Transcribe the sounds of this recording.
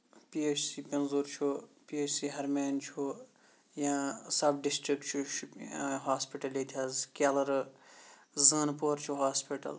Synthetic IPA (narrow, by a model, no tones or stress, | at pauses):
piːeːt͡ʃʰsiːpɐnzuːɾt͡ʃʰupiːeːt͡ʃʰsiːɦɐɾmeːnt͡ʃʰu | jãːsɐbɖɪsʈɾik̚ʈt͡ʃʰuʃɦaːspiʈɐlit̪ʲʰɐzkaːlɐɾ | zɐːnpoːɾt͡ʃʰuɦaːspiʈɐ̰l